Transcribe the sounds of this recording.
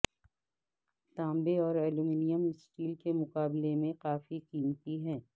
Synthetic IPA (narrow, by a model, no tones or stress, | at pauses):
t̪ãːmbeɔːɾɛːlumiːnijəmsʈiːlkemʊqaːblemẽqaːfikiːmt̪iɦɛ̃ː